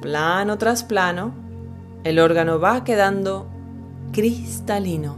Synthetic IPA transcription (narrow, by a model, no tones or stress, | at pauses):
planot̪ɾasplano | elo̞ɾɣano̞βake̞ðand̪o̞ | kɾist̪alino